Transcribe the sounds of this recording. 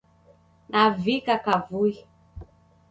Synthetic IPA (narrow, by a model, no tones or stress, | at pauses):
nʔavikakavui